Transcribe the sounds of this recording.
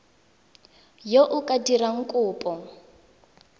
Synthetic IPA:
joʔukʼadiraŋ̩kʼʊːpʼɔ

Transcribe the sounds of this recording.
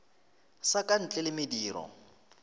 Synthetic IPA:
sakʼan̩t͡ɬʼɛlɪmɪdiːɾɔ̰

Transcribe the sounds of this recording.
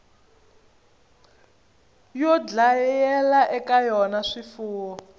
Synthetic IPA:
jɔd͡ɮajɛlaʔɛkajɔnaʂifuːwɔ

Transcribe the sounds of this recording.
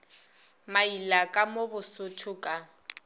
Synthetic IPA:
mailakʼamobʊsʊtʰʊkʼa

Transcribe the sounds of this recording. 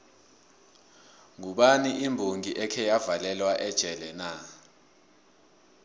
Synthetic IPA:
ŋuɓaniʔimbʱoŋiʔɛkʰɛjavalɛlwaʔɛd̥ʒ̥ʱɛlɛna

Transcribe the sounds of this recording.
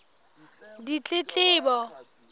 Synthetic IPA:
dit͡ɬʼɪt͡ɬʼɪːbɔ

